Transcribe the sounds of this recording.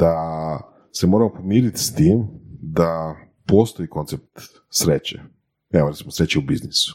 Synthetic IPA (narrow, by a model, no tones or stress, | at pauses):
d̪̥a | se̞mo̞ɾamopo̞miːɾit̪i̥st̪iːmd̪a | po̞st̪o̞iko̞nt̪sep̚t̪ | sɾet͡ɕḛ | ɛʋoɾet̪imo̞sɾet͡ɕeubiznisu̥